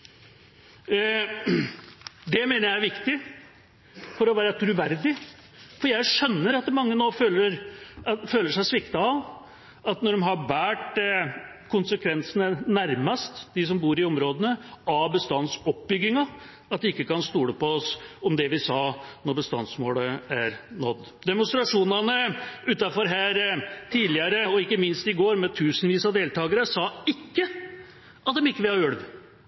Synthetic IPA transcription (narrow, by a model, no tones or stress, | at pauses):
d̪ɛmeːnəɾjæɪæɾʋɪkt̪ɪ | fɔɾɔʋæːɾət̪ʰɾʉʋæɾd̪ɪ | fɔɾjæɪʂœnːəɾɑt̪mɑŋːənoːføːləɾ | føːləʂæɪsʋɪkt̪ɑɑ | ɑt̪nɔɖɛmɦɑɾbæːʈ | kʰʊnsəkʰʋɛnsənənæɾmɑst̪d̪ɪs̬ɔmbuːɾɪɔmɾoːd̪ənəɑbəst̪ɑnsɔp̚bʏɡɪŋɑ | ɑt̪̚d̪ɛɪkːəkɑnst̪uːləpɔɔsɔmd̪ɛʋɪsɑːnɔɾbəst̪ɑ̰nsmoːləæɾnɔd̪ːd̪ɛmʊnst̪ɾɑʂuːnɑnəʉːt̪ɑfɔɾɦæːɾt̪ʰiːlɪəɾəɔɪkːəmɪnst̪ɪɡoːɾmɛt̪ʰʉːsənʋiːsɑd̪eːlt̪ʰɑːɡəɾəsɑːɪkːə | ʔɑt̪̚d̪ɛmɪkːəʋɪlhɑʉɽʋ